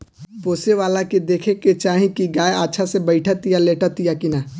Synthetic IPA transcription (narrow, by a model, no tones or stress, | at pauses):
poːseʋaːlaked̪eːkʰeket͡ʃaːɦĩkiɡaːeatːʃʰasebəɪʈʰat̪ijaleːʈət̪ijakina